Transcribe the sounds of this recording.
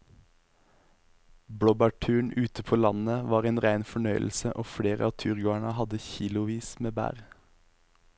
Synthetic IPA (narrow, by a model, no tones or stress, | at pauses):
bɽɔbæʈʰʉːɳʉːt̪əpʰoːlɑnəʋɑːʁeːnʁæɪnfɔɳœʏl̩səʔoːfɽeːʁəɑːt̪ʰyʁɡoːæɳəhɑd̪əçiːlʊʋiːsmeːbæ̰ːʁ